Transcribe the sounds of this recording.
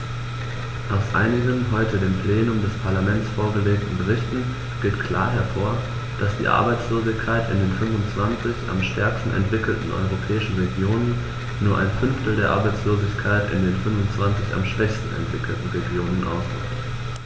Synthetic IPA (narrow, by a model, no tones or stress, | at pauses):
ʔaʊsʔa̰ɪnɪɡənɦɔʏtədeːmpl̥eːnʊmdɛspʰaɐlamɛntt͡sfoːɐɡəleːk̚tn̩bəʁɪçtn̩ | ɡ̥eːtkʰl̥a̰ːɐɦɛɐfoːɐ | d̥asd̥ḭːʔa̰ɐbaɪt͡sloːzɪçkʰaɪtɪ̰ndeːnfʏnvʊnt͡sv̥ant͡sɪça̰mʃtʰɛɐkstn̩ʔɛ̰ntv̥ɪkl̩tn̩ʔɔ̰ʏʁ̞opʰɛːɪʃn̩ʁeɡjoːnənː | uːɐʔa̰ɪnfʏnftl̩deːɐʔa̰ɐbaɪt͡sloːzɪçkʰaɪtɪ̰ndeːnfʏnvʊnt͡sv̥ant͡sɪça̰mʃv̥ɛçstn̩ɛ̰ntv̥ɪkl̩tn̩ʁeɡjoːnənʔa̰ʊsd̥ʁɪ̰kt